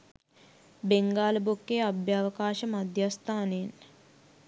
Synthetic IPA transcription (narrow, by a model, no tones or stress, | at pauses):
beŋɡaːlɐbokːeːɐbʱjaːʋɐkaːʃɐmɐd̪ʱjast̪ʰaːneːn